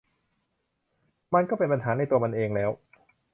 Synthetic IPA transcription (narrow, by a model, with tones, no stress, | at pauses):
ma˧nkɔː˥˩pe˧npa˧nɦaː˩˦na˧˩t̪u˧ɐma˧nʔeː˧ŋlɛː˦˥w